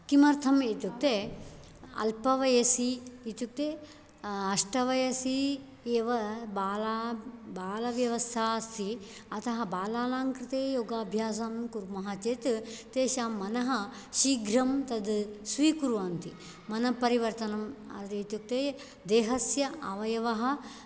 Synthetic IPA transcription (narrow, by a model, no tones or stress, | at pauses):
kimɐɾt̪ʰɐmeːt̪juk̚t̪eː | ɐ̰lpɐʋɐjɐsiːt̪juk̚t̪eː | ɐʂʈɐʋɐjɐsi | eːʋɐbː | baːlɐʋjɐʋɐst̪ʰaːst̪ʰiɐt̪ʰɐɦɐbaːlaːnaːŋkɾɪt̪eːjoːɡaːbʱjaːs̬aːmkuɾmɐɦat͡ʃeːt̪t̪eːʃaːmːɐnɐɦɐ̆ | ʃiːɡɾɐmt̪ɐd̪sʋiːkuɾuʋaːnt̪i | mɐnɐpɐɾiʋɐɾt̪ɐnɐmɐ̰ɾit̪juk̚t̪eː | d̪eːɦɐsjɐʔɐʋɐjɐʋɐɦɐ̆